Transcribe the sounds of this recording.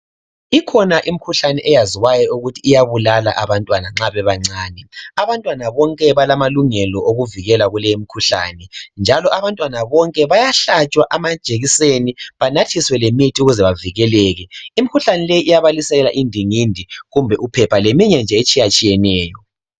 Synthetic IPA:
ikʰɔnaʔimikʰuɬanɛʔɛjaziwajɔuɣutʰiːjaβulala̰ʔaβantʼwanaŋ͡ǁaβɛβaŋ͡ǀaːnɛaβantʼwanaβɔŋkʼɛβalamaluŋɛlɔʔoɣuviɣɛlaɣulejimikʰuɬa̰nɛnd͡ʒʱalɔʔaβantʼwanaβɔŋkʼɛβajaɬat͡ʃʼwaʔamḁt͡ʃʼeɣiseniβanatʰiswɛlemitʰiuɣuzɛβaviɣɛlɛːɣɛimikʰuɬanɛlejiʔːjaβalisɛɣɛla̰ʔindʱiŋindʱiɣumbʱɛʔupʰɛpʰalemiɲɛnd͡ʒʱɛet͡ʃʼijat͡ʃʼijɛnɛːjɔ

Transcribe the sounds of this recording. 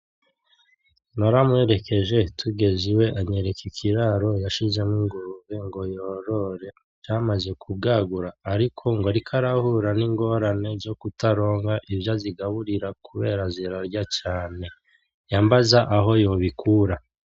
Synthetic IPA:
naɾamwe̞ɾe̞ke̞ʒe̞tʰuɡe̞ziwe̞ʔaɲe̞ɾekikʰiɾaɾo̞jaʃize̞mwiŋɡuβeŋɡo̞joɾo̞ɾe̞ | d͡ʒamaze̞kʰubɡaːɡuɾaːɾikʰo̞ŋɡo̞ɾikʰaɾahuɾaniŋɡo̞ɾane̞ɾzo̞kutaɾo̞ːŋɡaʔivjaziɡaβuɾiɾakʰuβe̞ːɾazeɾaɾɟat͡ʃaːne̞ | jambazaʔaɦo̞jo̞ːβikʰuɾa

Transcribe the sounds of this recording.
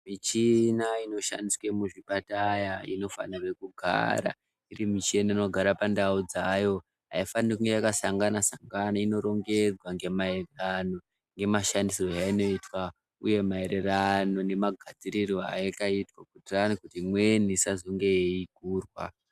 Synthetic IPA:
mit͡ʃinaino̞ʃa̰ndiswemuʐiɓatajaḭno̞fa̰nare̞kuɡʱa̰ɾa̰ | irimit͡ʃienaino̞ɡʱaɾapandaud͡zajo̞ | ɦa̰ifanikuŋɡejakasaŋɡanasaŋɡanaino̞ɾo̞ŋɡe̞d͡zwaŋɡe̞mae̞rerano̞ | ŋɡe̞maʃandiso̞jaino̞itwa | uje̞mae̞ɾerano̞ne̞maɡʱad͡ziɾiroa̰ekaitwakutiranikutimwe̞nisazoŋɡejeiɡʱuːrwa̰

